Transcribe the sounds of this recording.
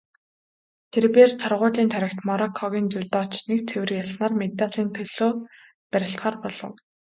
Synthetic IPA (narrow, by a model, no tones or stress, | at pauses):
t̪ʰerpeːrt̪ʰɔrʁʊːɮiːnt̪ʰœɾʲɪ̆kt̪mɔɾɔkʰːɔɣʲiːnt͡sʊwʲt̪ɔːt͡ɕnek̚t͡sʰewɘ̆rjaɮnaːrmet̪aɮiːnt̪ʰɵɮoː | pæɾʲɪ̆ɬt̪χaːrpɔɮɞ̆w